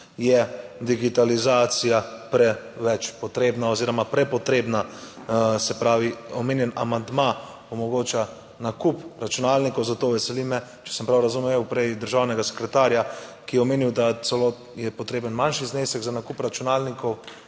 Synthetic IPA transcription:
jɛd̪iɡit̪alizaːt̪sijapɾɛʋɛt͡ʃpɔt̪ɾeːbnaoziːɾɔmapɾɛpɔt̪ɾeːbna | sɛpɾaːʋiɔmeːnjɛna̰mand̪ma | ɔmɔɡoːt͡ʃa | nakupɾat͡ʃunalnikɔwzat̪oʋɛsɛlimɛ | t͡ʃɛ̥səmpɾawɾazumewpɾɛjd̪əɾʒaːwnɛɡasɛ̥kɾɛt̪aɾjakijɛɔmeːniwd̪asɛlo | jɛpɔt̪ɾeːbənmanʃizneːsɛɡzanakupɾat͡ʃunaːlnikɔw

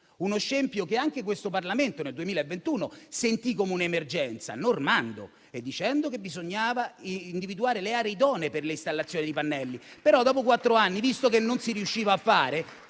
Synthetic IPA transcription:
unoʃːempjokeaŋk̟ekwest̪oparlament̪oneld̪uemiːlaevːent̪uːnosent̪ikomeunaemerd͡ʒɛnt̪sa̰normand̪o̰ | ed̪ːit͡ʃɛnd̪okebːizoɲːaːvaiind̪ivid̪uaːɾeleaːɾeid̪ɔːneperleist̪alːat̪sːjoːnid̪ipanːɛlːipeɾɔd̪ːɔːpokwat̪ːɾoanːivist̪ok̬enːonsiɾiuʃːiːvaːfːaːɾe

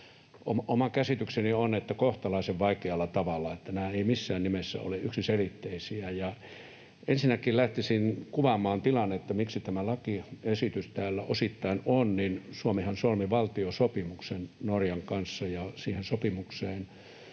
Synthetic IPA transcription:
omʔomɑkæsit̪yksenionet̪ːækoht̪ɑlɑiseʋʋɑikeɑlːˑɑt̪ɑʋɑlːɑet̪ːænæːeimisːæːnnimesːæ̰o̰leʔyksiselit̪ːeisiæjɑ | ensinːækillæht̪isinkuʋɑmˑɑːnt̪ilɑnːet̪ːæmiksit̪æmælɑkiesit̪yst̪æːlːæʔosit̪ːɑinonninsuomehɑnsolmiʋɑlt̪iosopimuksennorjɑŋkɑnsːɑjɑsiːhensopimukseːn

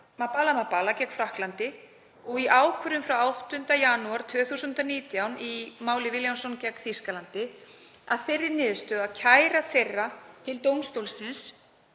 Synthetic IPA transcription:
mapalamapːalacɛkfɾahklant̪ɪ | ɔɣiʔaːwkʰʏɾʏmfɾawawht̪ʏn̥t̪ajanuaɾ̥t̪ʰvœːθusʏnt̪aniːt̪jawnimaːwlɪvɪljansɔncɛkθiskalant̪ɪ | a̰ðfɪrːɪɾnɪːðst̪œːðacʰaːjɾaθejrːat̪ʰɪlt̪owmst̪owlsɪns

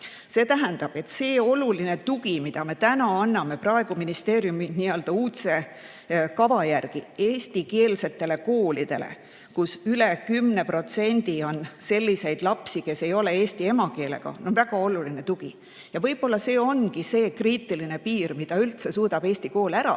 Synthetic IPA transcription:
se̞ːt̪æɦænd̪̥ɑb̥e̞t̪se̞ːo̞luline̞t̪uɡ̥imid̪̥ɑme̞t̪ænɑɑnːɑme̞prɑe̞ɡ̥uminist̪e̞ːɾjuminiːøld̪̥ɑuːt̪se̞ | kɑvɑjærɡ̥ie̞ːsʲt̪ike̞ːlse̞t̪ːe̞le̞ko̞ːlid̪̥e̞̰lḛ | kusylekymne̞pro̞t̪se̞nʲd̪̥io̞nse̞lʲːise̞jd̪̥lɑpsike̞se̞jo̞le̞eːst̪ie̞mɑke̞ːle̞̰ɡ̥ɑ̰nonvæɡ̥ɑo̞luline̞t̪uɡ̥i | jɑvɤjb̥o̞lːɑse̞ːo̞nkise̞ːkriːt̪ːˑiline̞piːrmid̪̥ɑylt̪se̞suːd̪ɑb̥e̞ːsʲt̪iko̞ːlæɾɑ̰

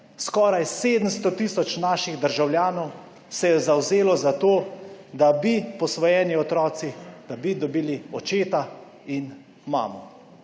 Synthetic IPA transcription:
skɔːɾajseːd̪əm̩st̪ɔt̪iːsɔt͡ʃnaːʃiɣd̪əɾʒawljaːnɔw | sɛjɛzawzeːlɔzat̪oːd̪abipɔsʋɔjɛːniɔt̪ɾɔːt̪sid̪̥abid̪ɔbiːliɔt͡ʃeːt̪a | in | ma̰ːmɔ

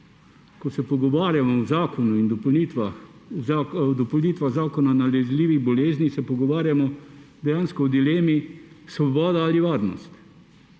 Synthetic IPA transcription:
kɔsɛpɔɡɔʋaːɾjamɔwzaːkɔnuind̪ɔpnit̪ʋa | ad̪ɔpɔwniːt̪ʋaɣzaːkɔnanalɛzliːʋiɣbɔleːznixsɛpɔɡɔʋaːɾjamɔd̪ɛjaːnskɔwd̪ileːmi | sʋɔbɔːd̪aaliʋaːɾnɔ̰st̪

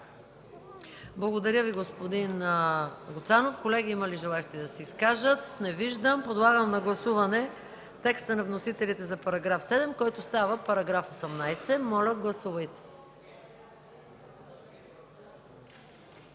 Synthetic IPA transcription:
blˠɐɡod̪ɐɾʲjəviɡospod̪in | ɡot̪sanofkolɛɡʲiimɐliʒɛlˠaɛʃt̪iɛd̪ɐsɛiskaʒət̪̚nɛviʒd̪əmpod̪lˠaɡəmnɐɡlˠɐsuvɐnɛ | t̪ɛkst̪ənɐvnosit̪ɛlit̪ɛzɐpɐɾɐɡɾafsɛd̪ɛmkɔjt̪ost̪avəpɐɾɐɡɾafosɛmnajsɛmɔlʲəɡlˠɐsuvɐjt̪ɛ̥

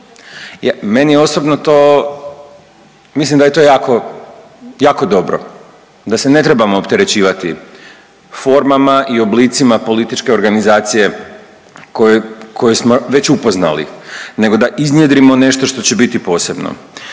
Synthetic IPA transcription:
jame̞nijeo̞sobnot̪oː | mislimd̪ajet̪o̞ːjaːko̞ | jaːko̞d̪o̞bɾo̰ | d̪asene̞t̪ɾebamoːpt̪e̞ɾe̞t͡ɕiːʋat̪i | fo̞ɾmamaʔio̞bliːt̪simapo̞lit̪it͡ʃke̞o̞ɾɡanizaːt̪sije̞ | koekʰo̞jesmoʋe̞t͡ɕupo̞zna̰lḭne̞ɡod̪aʔiznjed̪ɾimo̞ne̞ʃt̪oʃt̪o̞t͡ɕebit̪ipo̞ːse̞bno̰

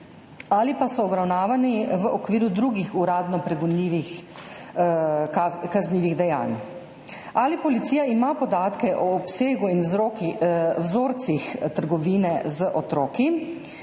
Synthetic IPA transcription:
alipasɔːbɾawnaːʋaniʋəʔɔkʋiːɾud̪ɾuɡixuɾaːd̪nɔpɾɛɡunliːʋix | akazniːʋiɣd̪ɛja̰ːn | aːlipɔlit̪siːjaimapɔd̪aːt̪kɛʔɔːpseːɡuinzɾoːkiwzoːɾt̪sixt̪əɾɡɔʋiːnɛzəʔɔt̪ɾoːki

